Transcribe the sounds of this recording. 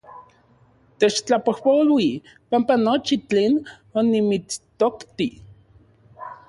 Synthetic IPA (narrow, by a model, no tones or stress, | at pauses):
t̪et͡ʃt͡ɬapohpolwi | pampanot͡ʃit͡ɬeːn | onimit͡st̪okt̪i